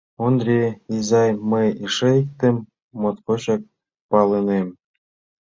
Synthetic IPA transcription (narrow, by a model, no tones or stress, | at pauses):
ond̪rʲeizɑjməjiʃĕik̚t̪ĕmː | ot̪kot͡ɕɑk̚ | pɑlĕnem